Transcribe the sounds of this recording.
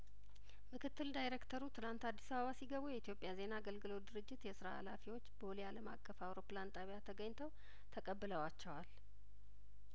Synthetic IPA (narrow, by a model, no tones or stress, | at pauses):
mɨkʰɨt̪ːɨld̪ajɾekt̪ʰəɾut̪ʰɨlant̪ad̪ːisaβəβasiɡəβujɛit̪ijo̞pʼːjaze̞naːɡəlɡɨlo̞d̪ɨɾɨd͡ʒːɪt̪jɛsɨɾaa̰lafiwo̞t͡ʃːbəolijaləmakʼːəfawɾo̞plant̪ʼaβjat̪ʰəɡəɲːt̪ʰəw | t̪ʰəkʼəbːɨləwat͡ʃːɛwal